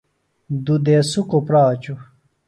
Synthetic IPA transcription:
d̪ud̪esukopɾaːt͡ɕu

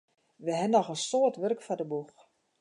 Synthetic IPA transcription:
ʋəɦɛnːɔxənsoətʋørkfɔdəbux

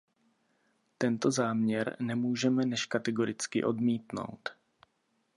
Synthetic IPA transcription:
t̪ɛnt̪o̞zaːmɲɛɾnɛmuːʒɛmɛnɛʃkat̪ɛɡo̞ɾɪt͡skɪʔo̞dmiːt̪no̞̰wt̪

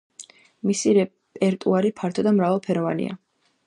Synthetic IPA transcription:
misiɾɛ | pʼɛɾt̪ʼuaɾipʰaɾt̪ʰɔd̪amɾavalˠpʰɛɾɔvanḭa̰

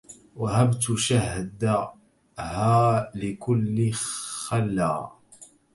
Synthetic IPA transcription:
wahabt̪ʃahd̪a | haːlɪkʊlːɪxalːaː

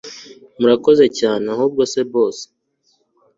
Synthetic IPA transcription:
muɾako̞ze̞caːne̞ahuːb̚ɡo̞se̞bo̞ːse̥

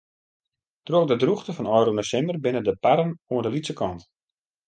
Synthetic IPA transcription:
troxdədruxtəfɔnɔjɾonəsɪnbərbɪnədəpaɾənuəndəlitsəkʰɔnt

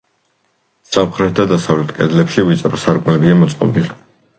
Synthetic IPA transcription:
samχɾɛt̪̚ʰd̪ad̪asavlɛt̪ʰkʼɛ̰d̪lɛpʃivit̪sʼɾɔsaɾkʼmlɛbiamɔt̪sʼqʼɔ̰bili

